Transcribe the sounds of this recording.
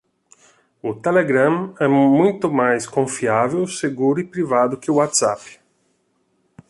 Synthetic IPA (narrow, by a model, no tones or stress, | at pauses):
ʊt̪ɛleɡɾãmɛmũjt̪ʊmajskõfiavewseɡuɾipɾivad̪ʊk̟ɪuwat̪sap